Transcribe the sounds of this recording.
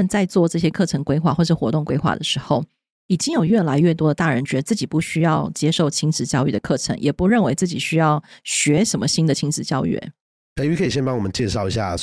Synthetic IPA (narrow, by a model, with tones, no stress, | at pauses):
ə˨nt͡sa˥˧ɪt͡swɔ˥˧ʈ͡ʂɤ˥˩ɕjɛ˥kʰɤ˥˩ʈ͡ʂʰɤ˧˥ŋkwe˥ɪxwa˥˩xwɔ˥˧˩ʂɻ̩˥˩xwɔ˧˥t̪ʊ˥˩ŋkwe˥ɪxwa̰˥˩d̪ə˩ʂɻ̩˧˥xo˥˩ʊ | i˨˩t͡ɕi˥ŋjo˨˩ʊɥɛ˥˩la˧˥ɪɥɛ˥˩t̪wɔ˥də˨t̪a˥˩ɻə˧˥nt͡ɕɥɛ˧˥d̪ə˧t͡sɹ̩˥˩t͡ɕi˨˩pu˥˩ɕy˥jɑ˥˩ʊt͡ɕjɛ˥ʂo˥˩ʊt͡ɕʰi˥ŋʈ͡ʂɻ̩˧˥t͡ɕjɑ˥˧ʊy˥˩d̪ə˨˩kʰɤ˥˩ʈ͡ʂʰə̰˧˥ŋjʔɛ˨˩pu˧˥ɻə˥˩nwe˧˥ɪt͡sɹ̩˥˩t͡ɕi˨˩ɕy˥jɑ˥˩ʊɕɥɛ˧˥ʂə˧˥nmə˧ɕi˥nd̪ə˨t͡ɕʰi˧˥ŋʈ͡ʂɻ̩˧˥t͡ɕjɑ˥˧ʊy̰˥˩ | kʰy˧˥kʰɤ˧˥i˨˩ɕjɛ˥˧npɑ˥ŋwɔ˨˩ə˦nt͡ɕjɛ˥˧ʂɑ˥˩ʊi˧˥ɕja̰˥˩